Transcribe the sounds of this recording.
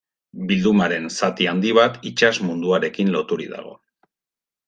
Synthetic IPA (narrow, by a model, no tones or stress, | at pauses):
bild̪umaɾe̞nsat̪iand̪iβ̞at̪it͡ʃazmund̪uaɾe̞kinlo̞t̪uɾḭða̰ɣ̞o̞̰